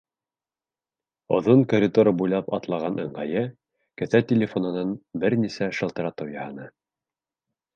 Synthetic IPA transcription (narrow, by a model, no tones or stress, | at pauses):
ŏ̰ðoŋkoɾʲid̪oɾɤbujlˠɑpɑt̪lˠɑʁɑnʔɤ̰̆ɴɢɑjɘ | kɘ̆θæt̪ʲɪlʲɪfonɤ̆nɑnbɘɾnisæʃɤ̆lˠt̪ɤ̆ɾɑt̪ɤwjɑhɤnɤ